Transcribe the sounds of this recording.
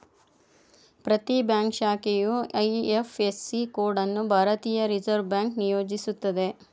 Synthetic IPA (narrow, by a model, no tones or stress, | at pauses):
pɾɐt̪ibjaːŋkʃaːkejuɐjefesːikoːɾɖɐnːubʱaːɾɐt̪iːjɐɾid͡ʒɐɾʋbjaːŋknijoːd͡ʒisut̪ːɐd̪e̞